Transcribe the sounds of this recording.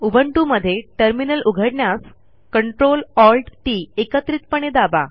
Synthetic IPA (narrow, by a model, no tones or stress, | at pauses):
ubʱəɳʈuməd̪ʱːjeʈəɾminəlʔuɡʱəɽɳjas | kəɳʈɾolɔlʈʈiekət̪ɾiːt̪̚pəɳ̃ed̪aba